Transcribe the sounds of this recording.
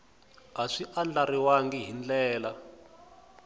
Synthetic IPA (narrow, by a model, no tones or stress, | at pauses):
ɦaʂiʔand͡ɮariwaŋɡiɦind͡ɮɛːla